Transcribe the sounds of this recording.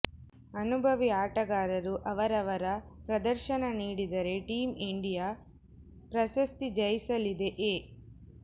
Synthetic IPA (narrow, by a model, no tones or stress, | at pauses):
ɐnubʱɐʋiaːʈɐɡaːɾɐɾuʔɐʋɐɾɐʋɐɾɐpɾɐd̪ɐɾʃɐnɐniːɽid̪ɐɾe̞ʈiːmiɳɖijaː | pɾɐʃɐst̪id͡ʒɐjisɐlid̪eʔeː